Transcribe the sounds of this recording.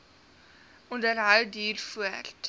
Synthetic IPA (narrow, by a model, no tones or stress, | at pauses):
undərɦəwdiːrfuərt